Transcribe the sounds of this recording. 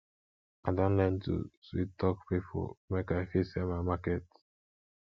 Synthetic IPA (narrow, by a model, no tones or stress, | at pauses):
adɔ̃nlɛntṵswit̚tɔkpipʰo̰mekaɪfisɛmaɪmakɛt